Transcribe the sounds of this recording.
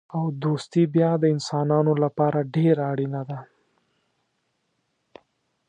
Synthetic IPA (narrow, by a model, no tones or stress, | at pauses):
awd̪ost̪ibjɑd̪əɪnsɑnɑnolapɑɾaɖeɾaːɽinad̪a